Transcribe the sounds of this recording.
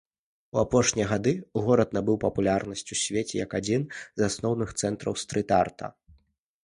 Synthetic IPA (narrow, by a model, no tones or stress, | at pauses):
uapɔʂnʲijɐɣad̪ɨɣɔɾɐt̪nabɨwpɐpulʲarnɐsʲt͡sʲusʲvʲet͡sʲɛjɐkad͡zʲinzasnɔwnɨxt̪sɛnt̪ɾɐ̰wst̪ɾɨt̪art̪ʰɐ̰